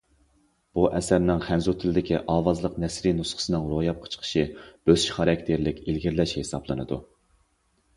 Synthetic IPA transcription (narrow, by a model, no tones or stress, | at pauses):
b̥uʔɛsæɾnɪŋχænzut̪ʰɪlɪd̪ɪkʲiʔɑːwɑzlˠəqnɛsɾinusχə̥sɨnɨŋɾojɑp̚qʰə̥t͡ʃʰə̥qʰə̥ʃib̥øz̥ʃi̥χɑɾɛkʲt̪ʰɪɾlɪkʲelɡʲiɾlɛʃhesɑ̰blˠɨnɨ̰d̪ṵ